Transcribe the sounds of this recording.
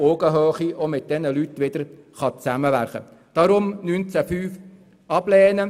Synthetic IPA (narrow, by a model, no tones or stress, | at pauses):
oːɡəɦøːχiomɪt̚d̥̪ɛnəlytʋɪd̥̪əɾ | χɑt͡sæməʋæɾχə̰ | d̥ɑɾʊmnynt͡sæfyːf | ɑb̥lɛːnə